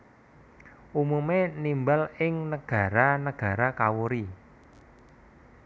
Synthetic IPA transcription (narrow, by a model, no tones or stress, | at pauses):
ʔumumenimbalɪŋnəɡ̥a̤ɾanəɡ̥a̤ɾakawuɾi